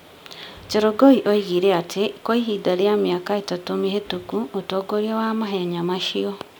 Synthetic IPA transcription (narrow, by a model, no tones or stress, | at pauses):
t͡ʃeɾoɡoiʔoiɣiɾɛatʰekoiɦidaɾiamjakaetatomiɦetukuotoːɡoɾiawamaɦeɲamaʃiɔ